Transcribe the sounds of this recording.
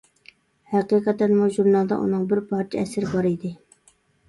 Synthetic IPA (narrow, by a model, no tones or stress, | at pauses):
hæqiqɑt̪ɛnmuʒuɾnɑlˠd̪ɑ̰ʔṵnɨŋbɪɾpʰɑɾt͡ʃʰɪɛsɪɾɪbɑɾid̪ɪ